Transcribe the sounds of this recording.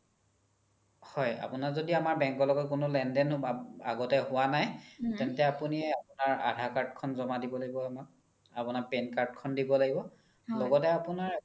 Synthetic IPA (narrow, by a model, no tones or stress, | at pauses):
hɔja̰pʊnaɹzodiamaɹbɛŋkɔlɔɡɔkʊnʊlɛndɛna̰ɡɔtɛhʊwanajtɛntɛapuniɛapʊnaɹa̰dʱakaɹtkʰɔnzɔmadibɔlaɡibɔamak̚ | apunaɹpenkaɹd̚kʰɔndibɔlaɡibɔ | lɔɡɔtɛapunaɹ